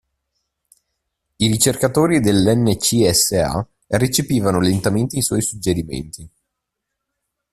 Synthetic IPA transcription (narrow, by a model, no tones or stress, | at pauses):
iɾit͡ʃerkat̪oːɾid̪elːɛnːet͡ʃiɛsːea̰ | ret͡ʃepiːvanolent̪ament̪eiswɔjsud͡ʒːeɾimḛnt̪i